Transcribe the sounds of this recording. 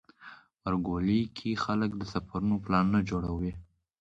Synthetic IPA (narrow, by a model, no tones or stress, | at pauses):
pəɾɡolikʰixaləkd̪əsafaɾunoplɑnːad͡ʒoɽawi